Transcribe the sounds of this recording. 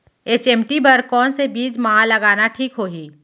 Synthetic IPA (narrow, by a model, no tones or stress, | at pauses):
eːt͡ʃɛːmʈibɐɾkɔːnsebiːd͡ʒmɐɦãlɐɡaːnaʈʰiːkɦoːɦiː